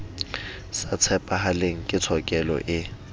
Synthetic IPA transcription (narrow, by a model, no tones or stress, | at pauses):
sat͡sʰɛpʼaɦaleŋ̩kʼɪt͡sʰɔkʼɛlɔ̰ʔɪ